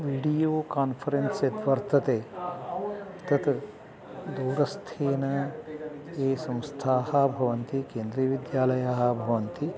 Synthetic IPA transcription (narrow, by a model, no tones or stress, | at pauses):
ʋiːɖijoːkaːnpʰɐɾenset̪ʋɐɾt̪ɐt̪eː | t̪ɐt̪ | d̪ɐwɾɐst̪ʰeːnɐ | eːsɐ̃mst̪ʰaːɦɐbʱɐʋɐnt̪ikeːnd̪ɾiːʋid̪jaːlɐjaːɦɐ̆bʱɐʋɐnt̪i